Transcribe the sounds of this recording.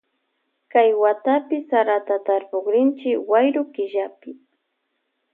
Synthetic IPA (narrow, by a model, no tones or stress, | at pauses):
kajwat̪apɪsaɾat̪at̪aɾpoχɾɪnt͡ʃɪkwajɾʊkɪʒapɪ